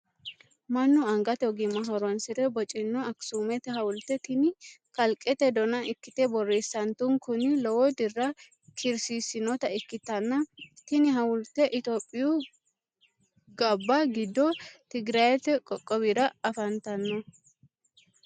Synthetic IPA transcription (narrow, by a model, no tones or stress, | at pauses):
mɐnːʊɐŋɡɐt̪ɛɔɡɪmɐɦɔɾɔnsɪɾɛbɔt͡ʃʼɪnːɔɐksumɛt̪ɛɦɐwʊlt̪ɛt̪ɪnɪkɐlkʼɛt̪ɛd̪ɔnɐɪkːɪt̪ɛbɔrːeːsːɐnt̪ʊŋkʊnɪlɔwɔd̪ɪrːɐ | kʰɪɾsiːsɪnɔt̪ɐɪkːɪt̪ːɐnːɐt̪ɪnɪɦɐwʊlt̪ɛʔɪt̪oːpʼːɪju | ɡɐbːɐɡɪd̪ːɔt̪ɪɡɾɐjɛt̪ɛkʼɔkʼːɔbiɾɐɐfɐnt̪ɐnːɔ